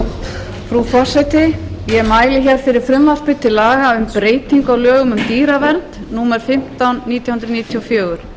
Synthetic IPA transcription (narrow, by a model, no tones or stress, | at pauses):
fɾufɔr̥sɛjt̪ɪjɛɛmaːjlɪçɛɾ̥fɪɾɪɾ̥fɾʏmvalpɪt̪ʰːɪlːaːɣaʏmpɾeːjt̪iŋkaɣwlœːɣʏmʏmt̪iːɾavɛnt̪nuːmɛɾ̥fɪm̥t̪anːiːt̪jahʏnd̪ɾniːt̪ʰjɔfjœːɣʏɾ̥